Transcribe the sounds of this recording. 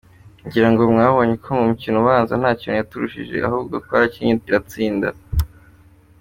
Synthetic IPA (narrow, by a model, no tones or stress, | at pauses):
ɲɟiɾaŋɡo̞mŋaːβo̞ɲekʰomumucinoβaːnzan̥aːcinojatuɾuʃḭʒe̞̰ʔa̰ɦuːb̚ɡokkwaɾaciɲeciɾat͡siːnda̰